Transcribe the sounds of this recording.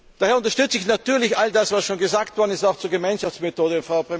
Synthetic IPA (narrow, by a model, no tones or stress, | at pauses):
d̥aːhɛɐʊntɐʃtʏt͡səɪçnatyːɐlɪçʔaldasv̥asʃoːnɡəzaːktv̥ɔɐdn̩ɪstaʊxt͡suːɐɡəmaɪnʃaft͡smetʰoːdəfʁaʊpʁe